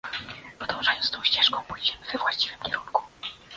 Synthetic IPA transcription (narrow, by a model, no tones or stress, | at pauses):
pɔd̪ɔ̃w̃ʐajɔnt̪t̪ɔ̃w̃ɕt͡ɕɛʂkɔ̃w̃pujd͡ʑɛvɛvwaɕt͡ɕi̥vɨmkʲɛɾuŋku̥